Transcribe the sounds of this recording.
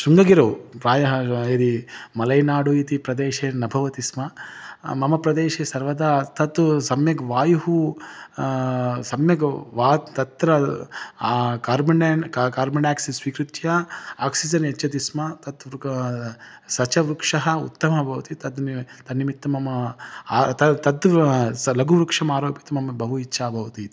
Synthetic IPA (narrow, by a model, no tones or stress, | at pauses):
ʃuŋɡɐɡiɾɐwpɾaːjɐɦɐed̪imɐlɐjnaːɽujit̪ipɾɐd̪eːʃeːnɐbʱɐʋɐt̪ismɐmɐmɐpɾɐd̪eːʃeːsɐɾʋɐd̪aːt̪ɐt̪usɐmjɐɡɐʋaːjuɦu | sɐmjɐɡʋaːt̪ɐt̪ɾɐ | kaːɾmɐneːnkkaːɾmɐnaːksisʋikɾut̪jaaːksid͡ʒɐnet͡ʃːɐd̪ismɐt̪ɐt̪ | sɐt͡ʃɐʋɾukʂɐɦɐṵt̪ːɐmɐbʱɐʋɐt̪it̪ɐd̪t̪ɐnimit̪ːɐmɐmɐ | t̪ɐt̪ɐt̪ | lɐɡuʋɾukʂɐmaːɾoːpit̪ɐmɐmɐbɐɦuit͡ʃːʃaːbʱɐʋɐt̪it̪